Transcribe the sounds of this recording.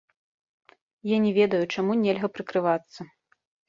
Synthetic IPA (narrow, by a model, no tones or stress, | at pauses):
janʲɛvʲɛd̪ɐjut͡ʂamunʲɛlʲɣɐpɾɨkɾɨvat̪sːɐ